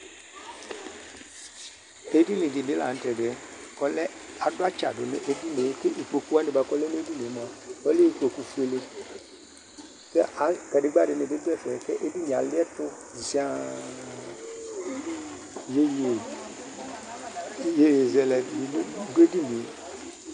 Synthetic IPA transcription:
e˦di˦lɪ˨dɪ˨bɪ˨˦la̰˨n̩˦tɛ˨ɖɪ˨˦kɔ˨lɛ˦a˨dʊ˦a˦t͡ʃa̰˨dʊ˨nɪ˨ʔe˦di˦ne˨˦kɪ˦ʔi˨k͡po˨ku˦a˦nɪ˨ba˨kɔ˦lɛ˦n˦e˦di˦ne˨˦m˨a˨ɔ˦le˦i˨k͡po˨ku˨fu˦e˨le˦ | kɛ˦ʔa˨kɛ˨ɖɪ˨˦ɡ͡ba˦˨dɪ˨nɪ˨dɪ˦dʊ˦ɛ˦fɛ˨kɛ˦ʔe˦di˦ni˨a˨lɪ˦ɛ˦tʊ˦di˨si˦a˦ | je˦je˨˦ | je˦je˨zɛ˨lɛ˨˦ɡe˦di˦ni˨˦

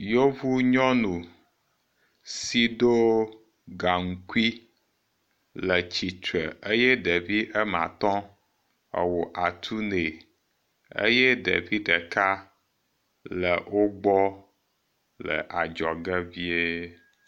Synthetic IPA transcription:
jo˦vu˦ɲɔ̃˦nũ˨ | si˨ɖo˦ | ɡa˨ŋ̩˨ku˦i˦ | lə˨t͡ɕi˨t̪ɾə˨e˦jɛ˦ɖe˨vi˦ʔə˦mã̰˨t̪ɔ̃˦ | ə̰˨wo˨ʔa˨t̪ʰu˦ne˨ | ḛ˦jɛ˦ɖḛ˨vi˦ɖɛ˨ka˦ | lə˨wʔo˦ɡ͡bɔ˦ | lə̰˨ʔa˨d͡ʒɔ˨ɡɛ˦vi˦e˦

